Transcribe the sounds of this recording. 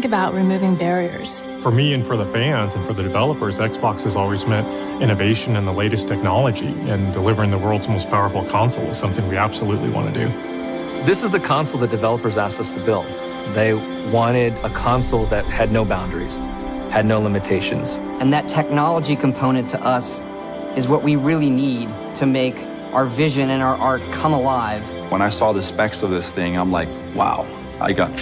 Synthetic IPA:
ŋkɨbaʊʔ̚ɹimʉvɪ̃ŋbɛɹiə̰˞z̥ | fə˞miɨ̃nfə˞ðəfæ̃nzɨ̃nfə˞ðɨdɨvɛlˠəpə˞zɛksb̥ɑksɨzɔlˠwizmɛ̃ɾ | ɪ̃ɾ̃ɨveɪʃɨ̃nɨ̃nðəleɪɾɨstʰɛk̚nɑlˠəd͡ʒḭɪ̃ndəlɪvə˞ɪ̃ŋðəwɜ˞lˠdzmoʊspʰaʊə˞fl̩ˠkʰɑ̃nsl̩ˠə̰z̥sʌ̃mθɪ̃ŋwiæb̥səlutˡlḭwɑ̰̃ñɨ̰dʉ̰ | ðɪsɨzðɨkʰɑ̃nsl̩ˠðɨt̚d̥ɨvɛlˠəpə˞zæsʌstʰɨbɪlˠd̚ | ðeɪ | wɑ̃ɾ̃ɪɾəkʰɑ̃nsl̩ˠðɨt̚hɨdⁿnoʊbãʊ̃ndə˞iz̥ | hɨdⁿnoʊlɪ̃mɨtʰeɪʃɨ̰̃nz̥ | ɨ̃nðɨtʰɛk̚nɑlˠəd͡ʒikʰm̩pʰõʊ̃ñɨ̃ntʰɨʔʌs | ɨzwʌʔwiɹɪlˠinid̚ | tʰɨmeɪk | ʔaʊə˞vɪʒɨ̃nɨ̃naʊə˞ʔɑɹt̚kʰʌ̃məlaɪv̥ | wə̃ñaɪsɔðɨspɛksʌvðɪsθɪ̃ŋãɪ̃mlaɪk | wa̰ʊ | ʔa̰ɪɡɑ̰t

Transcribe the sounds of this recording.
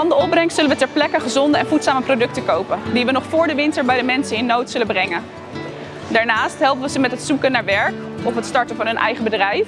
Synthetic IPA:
ɑndəɔp̚brɛŋstsɵlənʋətɛɹplɛkəχəzɔndəɛnvutsaːməprowdɵk̚təkowpəndiʋənɔχfʊːɹdəʋɪntəɹbɛjdəmɛnsəɪnːowtsɵləbrɛŋən | daːɹnaːstɦɛlˠpəʋəzəmɛtɦətsukənaːɹʋɛɹk | ɔfɦətstɑɹtənvɑnɦɵnʔɛ̰jχəbədrɛjf

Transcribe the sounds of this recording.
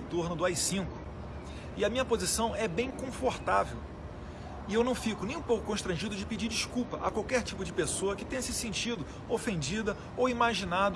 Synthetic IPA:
et̪oɾnʊd̪ʊajsĩkʊ | ɪɐmĩɲɐpozisɐ̃w̃ɛbẽj̃kõfoɾt̪avew | ɪewnɐ̃w̃fikʊnẽj̃ũpowkʊkõʃt̪ɾɐ̃ʒid̪ʊd͡ʒɪpid͡ʒiɾd͡ʒiʃkuwpɐʔɐ̰kwawkɛɾt͡ʃipʊd͡ʒɪpesoɐkɪt̪ẽjɲɐsɪsẽnt͡ʃid̪ʊ | ofẽnd͡ʒid̪ɐ | owimaʒinad̪

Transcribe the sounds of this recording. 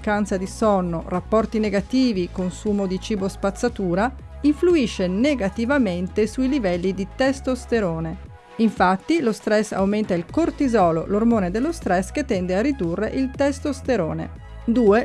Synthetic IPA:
kant̪sad̪isɔnːorapːɔrt̪ineɡat̪iːvikonsuːmod̪it͡ʃiːbospat̪sːat̪uːɾa | iɱfluiʃːeneɡat̪ivament̪esuilivɛlːid̪it̪ɛst̪ost̪eɾoːne | iɱfat̪ːilost̪ɾɛsa̰wment̪ailkort̪izɔːlo̰lormoːned̪elːost̪ɾɛsket̪ːɛnd̪earid̪urːḛʔilt̪ɛst̪ost̪eɾoːnḛ | d̪uːe

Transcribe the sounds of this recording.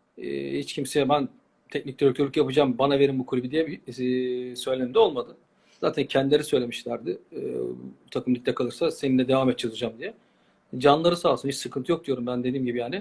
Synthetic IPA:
ɛ̰ːhit͡ʃcʰimseɛbæn | t̪ʰɛc̚nic̚lʲɛøkʲʰølʲykjapɯd͡ʒambanave̞ɾimbukʰulʲbid̪ijɛbi | sø̞jlʲenmd̪ɛo̞lˠmad̪ɯn | za̰ːt̪ʰæncʰɛnd̪ileɾisø̞jlʲemiʃlʲæɾd̪ɪɯ̰but̪ʰakɯmlʲˠic̚t̪ʲːɛkʰalˠɯɾsase̞ninʲːɛd̪e̞vaːmɛt̪̚ːt͡ʃʰazɯd͡ʒamd̪ijɛ | d͡ʒanlˠaɾɯsaːlˠsɯnhit͡ʃsɯkʰɯnt̪ʰɯjo̞k̪̚yjo̞ɾumbænd̪e̞d̪iːmɟibijaːnɪ

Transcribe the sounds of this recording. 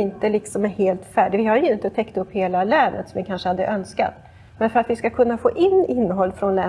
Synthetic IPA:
ɪnt̪əlɪksɔmæɾheːlt̪fæːɖɪvɪhaɾjʊɪnt̪ət̪ʰɛkːt̪ɵpːheːlalɛːnə̰t̪sɔmvɪkʰanʂəhad̪ːəʔœnska̰t̪ | mɛnfœɾat̪vɪskakʰɵnːafo̰ːʔɪnːɪnːəɦɔlːfɾɔnlɛː

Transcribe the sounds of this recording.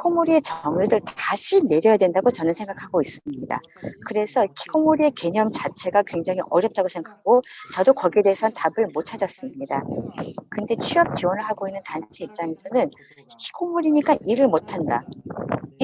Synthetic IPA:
kʰi̥kʰomuɾie̞t͡ɕʌŋɯdɯɭtaɕʰine̞ɾjʌjadwe̞ndaɡot͡ɕʌnɯnsʰe̞ŋɡakʰaɡois͈ɯmɲida̰ | kɯɾe̞sʰʌkʰi̥kʰomuɾie̞ke̞ɲʌmt͡ɕat͡ɕʰe̞ɡakwe̞ŋd͡ʑaŋiʔʌɾjʌp̚t͈aɡosʰe̞ŋɡakɡot͡ɕʌdokʌɡiede̞ːsʰʌntabɯɭmot͡ɕʰad͡ʑʌs͈ɯmɲidakɯnde̞t͡ɕʰiʌp̚t͡ɕiwʌnɯɭɦaɡoinːɯntant͡ɕʰeip̚t͡ɕ͈aŋe̞sʰʌnɯn | kʰi̥kʰomuɾiɲik͈anʔiɾɯɭmotʰanda | i

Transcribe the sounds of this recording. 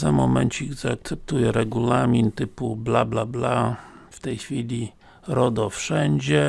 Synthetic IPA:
zamɔmɛnt͡ɕiiɡzaːk̚t̪sɛp̚t̪ujɛɾɛɡulamʲint̪ɘpublablablaft̪ɛjxfʲilʲi | ɾɔd̪ɔfʂɛɲd͡ʑɛ

